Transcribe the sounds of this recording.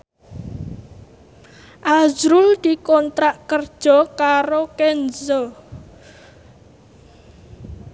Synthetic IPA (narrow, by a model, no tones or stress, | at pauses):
ʔazɾʊld̪̥i̤kɔnt̪ɾaʔkərd̥ʒ̥ɔ̤kaɾokenzɔ